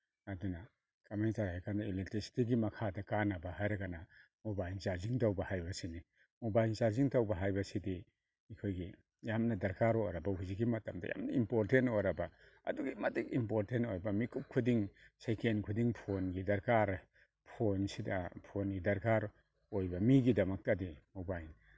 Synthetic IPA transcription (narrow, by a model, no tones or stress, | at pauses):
ɐduna | kɐmentaɾhajkʰandɐiletɾisi̥tiɡimɐkʰadɐkanabɐhajɾɐɡana | mobajsaɾziŋtawbɐhajbɐsini | mobajsaɾziŋtawbɐɦajbɐsidi | ikʰojɡi | jamnɐdɐɾkaɾojɾɐbɐhuziɡimɐtɐmdɐ̰ja̰mnɐ̰impoɾtentojɾabɐ | ɐ̰duɡimɐtikimpoɾtentojbɐmikʰup̚kʰudiŋsekenkʰudiŋpʰonɡidɐɾkaɾ | pʰonsidɐpʰonɡidɐɾkaɾ | ojbɐmiɡidɐmɐk̚tadimobajn